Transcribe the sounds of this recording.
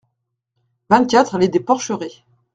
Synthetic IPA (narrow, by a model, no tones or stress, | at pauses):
vɛ̃t̪̚kʲat̪χaled̪epɔʁʃəʁe